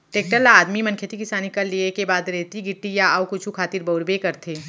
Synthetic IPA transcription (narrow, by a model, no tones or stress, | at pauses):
ʈeːk̚ʈəlːaːd̪mimɐnkʰet̪ʰikɪsaːnikɐɾliekebaːd̪ɾeɦt̪iɡɪʈːijaaːwkʊt͡ʃʰukʰaːt̪iɾbɐʊɾbekɐɾt̪ʰeː